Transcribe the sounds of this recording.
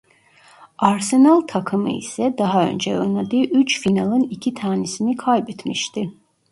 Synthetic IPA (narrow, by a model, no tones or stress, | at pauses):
aɾsenalˠt̪ʰakʰɯmɯ̰ḭsɛd̪aɦaø̞̰nd͡ʒɛønlˠad̪ɯːʔyt͡ʃfinalˠɯnicʰit̪ʰaːnɛsinikʰajbɛt̪miʃt̪ɪ